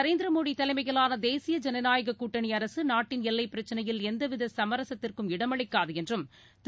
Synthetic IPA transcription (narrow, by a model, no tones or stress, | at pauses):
ɐɾeːnd̪ɪɾɐmoːɽit̪ɐlɐɪmɐɪɣɐɭaːnɐd̪eːsɪjɐd͡ʒɐnɐnaːjɐɣɐkːuːʈːɐɳiɐɾɐsɯnaːʈːɪnɛlːɐɪpːɪɾɐt͡ʃːɐnɐjɪlɛnd̪ɐʋɪðɐsɐmɐɾɐsɐt̪ːɪrkɯmɪɽɐmɐɭɪkːaːðɯɛndrɯm | t̪